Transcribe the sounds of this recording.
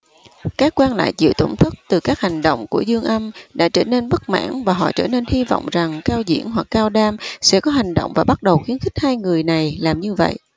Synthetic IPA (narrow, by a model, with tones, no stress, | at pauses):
kaː˦˥kːwaː˧nla̰ː˧˨jzḭ˧˨əwt̪o˧˩wŋ͡mt̪ʰɨ˦˥k̚t̪ɨ˨˩kaː˦˥k̚ha˨˩jŋ̟ɗo̰˧˨wŋ͡mku˧˩əzɨ˧əŋʔə˧mɗa̰ː˧˥t͡ɕəː˧˩ne˧nɓə˦˥k̚ma̰ː˧˥nvaː˨˩ɦɔ̰˧˨t͡ɕəː˧˩ne˧nhi˧vɔ̰˧˨wŋ͡mza˨˩ŋkaː˧wzḭ˧˥ənɦwa˨˩kːaː˧wɗaː˧msɛ̰˧˥kɔ˨˦ɦa˨˩jŋ̟ɗo̰˧˨wŋ͡mvaː˨˩ɓa˦˥t̚ɗə˨˩wxi˨˦nxi˦˥k̟̚haː˧jŋɨ˨˩əjna˨˩jlaː˨˩mɲɨ˧və̰˧˨jʔ